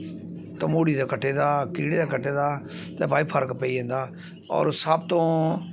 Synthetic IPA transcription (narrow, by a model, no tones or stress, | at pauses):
t̪əmoːɽiːd̪aːkəʈʰːeːd̪aːkiːɽeːd̪aːkəʈʰːeːd̪aːt̪ɛ̃ːbaːiːpʰəɾkpəiːẽːnd̪aː | ɔ̰ːɾsəːb̚t̪õː